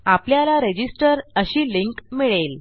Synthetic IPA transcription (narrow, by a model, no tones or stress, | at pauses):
apljalaɾed͡ʑisʈəɾəɕiːliŋkmiɭel